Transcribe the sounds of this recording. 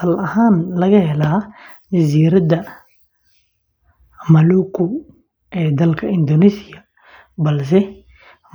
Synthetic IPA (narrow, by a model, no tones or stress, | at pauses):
sɐlɐhaːnlɐɣɐɦhɛlaːd͡ʒɐziːɾɐd̪ɐ | mɐluːkʰʊ | ʔɛːd̪ɐlkʰɐɪnd̪ɔnisɪjɐ | bɐls̬ɛ